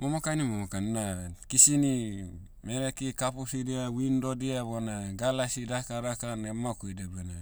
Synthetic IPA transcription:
momokanimomokannaβenkisini | meɾekikapusidiawindodiaβonaɡalasidakaɾakanemːakuidebena

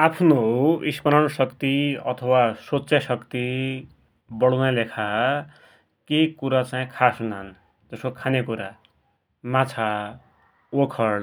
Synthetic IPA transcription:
apʰnoispʌnʌnsʌkt̪iʌ̰t̪ʰʌwasot͡sjasʌkt̪i | bʌɽʌnalekʰa | kekuɾat͡saĩkʰasunan | d͡zʌskokʰanekuɾa | mãt͡sʰa | okʰʌɽ

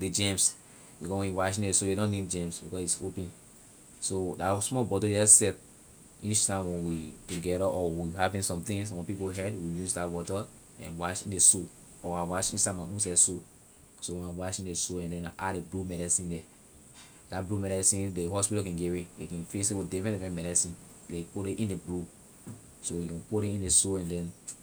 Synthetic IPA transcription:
ded͡ʒɛ̃ms | bikɔswɛ̃nwaʃĩnesojeɾɔ̃nidd͡ʒɛ̃msbikɔsitsopɛ̃n | sodasmɔlbɔtodɛsɛt | it͡ʃtãɪ̃mwɛ̃nwituɡɛɾaʔɔwihavĩnsɔ̃mt̪ĩŋswɛ̃npipoɦɛdwijusdabɔtɔ | ɛ̰̃nwaʃĩndeso | ɔawaʃĩnsamãʔũsɛso | sowɛ̃nãwaʃĩndesoɛ̃ndɛ̃naʔadeblumɛɾɛsĩndɛ | datblumɛɾɛsĩndeɦɔspitɔkɛ̃nɡɛɹelekɛ̃nfeseodɛfɛ̃ntifɛ̃mɛɾɛsĩn | lepoɾeʔĩndeblu | sowikɛ̃npoɾẽĩndesoɛ̃ndɛ̃n

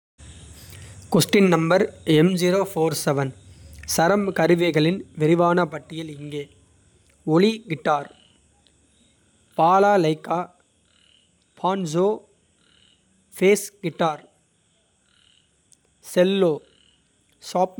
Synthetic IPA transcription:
kɔsʈɪnnɐmbɐɾɛmd͡ʒiːɾoːfoːɾsɛʋɐnsɐɾɐmkɐɾɪʋɐɪɣɐɭɪnʋɪɾɪʋaːnɐpɐʈːɪjɐlɪŋɡeː | ɔɭiɡɪʈːaːɾ | paːlaːlɐɪkːaː | pʰaːnd͡ʒoː | feːsɡɪʈːaːɾ | sɛlːoː | saːp

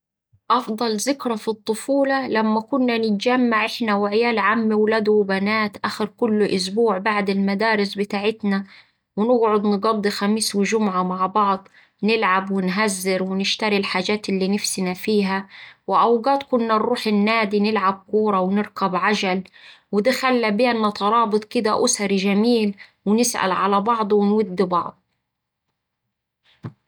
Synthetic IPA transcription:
ʔɑfd̪ˤɑlzɪkɾˤɑfit̪ˤːʊfuːlɑlamːakʊnːanɪt̪d͡ʒamːaʕʔɪħnawɪʕɪjaːlʕamːiwlaːd̪wɪbanaːt̪ʔaːxɪɾkʊlːʔʊs̬buːʕbaʕd̪ɪlmad̪aːɾɪsbɪt̪aːʕɪt̪na | wɪnɪɡʕʊd̪nɪɡɑd̪ˤːixamiːswɪʒʊmʕamaʕbɑʕd̪ˤ | nɪlʕabwɪnɦazːɪɾwɪnɪʃt̪aɾilħaːd͡ʒaːt̪ɪlːiːnɪfsɪnafiːɦawɪʔawɡɑːt̪kʊnːarˤːuːħɪnːaːd̪inɪlʕab̚kuːɾˤɑwɪnɪɾkabʕaʒalwɪd̪axalːabɪjanːɑt̪ˤɑɾˤɑːbɨt̪ˤkɪd̪aʔʊsɑɾʒamiːlwɪnɪsʔa̰lʕalabɑʕd̪ˤwɪnwʊd̪ːɪbɑʕd̪ˤ

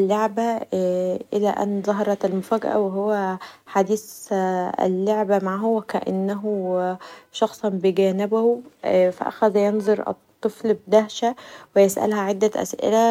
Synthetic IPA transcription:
ʔlːoʕbæ | ʔɪlæʔæ̰nzˤɑɦɑɾˤɑt̪ælmʊfæːɡæ̰ʔæ̰weɦowːæħad̪iːs | ḛlːoʕbæmaʕaɦʊwækæʔa̰nːæɦu | ʃɑxsˤɑnbɪɡæːnɪbæhufæ̰ʔæ̰xæðæjenzˤoɾʔɨ̰t̪ˤːɨflbd̪æhʃæwɪjesʔæ̰lhæʕed̪ːæʔæ̰sʔɪ̰læ

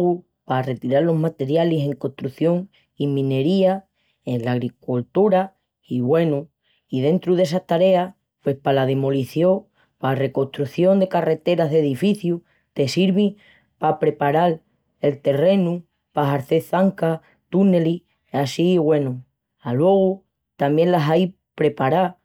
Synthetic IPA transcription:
ɣu | pare̞t̪iɾaɾlo̞ɦmat̪e̞ɾjalise̞ŋko̞ht̪ɾuθjo̞ŋ | imĩne̞ɾia | enlaɣɾikult̪uɾa | iβwe̞nu | ið̞e̞nt̪ɾuðe̞s̬aht̪aɾe̞a | pwe̞spalaðe̞mo̞liθjo | pare̞ko̞ht̪ɾuθjo̞nd̪e̞kare̞t̪e̞ɾaɦðe̞ðifiθju | t̪e̞siɾβi | papɾe̞paɾal | e̞lt̪e̞re̞nu | paɦaɾθe̞θaŋka | t̪une̞li | asiβwe̞nu | alwe̞ɣ̞u | t̪amje̞ŋlasaj | pɾe̞paɾa

